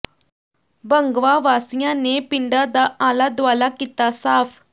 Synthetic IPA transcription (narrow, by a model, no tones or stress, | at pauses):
bəŋɡʋaʋaːsjãnepɪɳɖad̪aʔãːlad̪ʋaːlakit̪asaːpʰ